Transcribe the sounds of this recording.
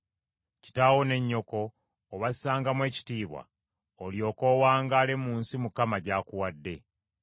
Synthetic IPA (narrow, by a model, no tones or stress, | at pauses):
ci̥taːwo̞ne̞ɲːo̞ko̞ː | βassaːŋɡamwe̞ːci̥tiːβwa̰ | oljo̞ːko̞ːwaːŋɡaːle̞muːnsimukamaɟaːkuwadːe̞